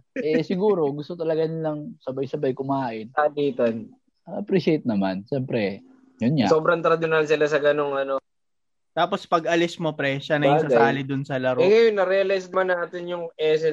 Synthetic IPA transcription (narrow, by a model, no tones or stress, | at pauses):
ʔɛsɪɡuːɾo̞ɡʊst̪ot̪ɐlɐɡanɪlɐŋsɐbajsɐbajkʊmaːʔɪnaniːt̪ɐn | ʔɐpɾiʃejt̪̚nɐmanʃɛmpɾɛ | jʊnɲasoːbɾɐŋt̪ɾɐd̪ʊnalsɪlasɐɡɐnoŋɐno̞ | t̪aːpospɐɡɐlɪsmopɾɛʃanɐjsaaːlɪd̪ʊnsɐlɐɾoɛŋɐjonːɐɾɛɐlajsnɐmanːaːt̪ɪnjʊŋʔɛːsɛ